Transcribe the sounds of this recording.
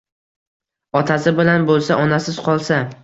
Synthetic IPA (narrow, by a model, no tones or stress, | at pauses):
ɒt̪ʰasɪbɪlanbolˠsaʔɒnasɪzqʰɒlˠsa